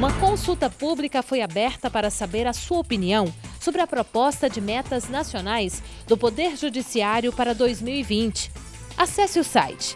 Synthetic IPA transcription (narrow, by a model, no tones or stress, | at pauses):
ũmɐkõsut̪ɐpublikɐfojabɛɾt̪ɐpaɾɐsabeɾɐsuɐopiniɐ̃w̃sobɾɪɐpɾopɔst̪ɐd͡ʒɪmɛt̪ɐznasionajs | d̪ʊpod̪eɾʒud͡ʒisiaɾjʊpaɾɐd̪ojzmiwivĩnt͡ʃɪ̥ | asɛsɪʊsa̰jt͡ʃɪ̥